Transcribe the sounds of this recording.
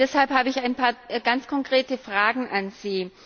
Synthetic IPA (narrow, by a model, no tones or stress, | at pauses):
d̥ɛshalphaːbəɪçaɪnpʰaːɐɡant͡skʰɔŋkʁ̥eːtəfʁ̥aːɡŋ̩ʔanz̥iː